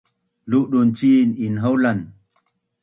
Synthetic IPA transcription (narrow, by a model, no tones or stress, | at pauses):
luʔɗunt͡sininɦowlan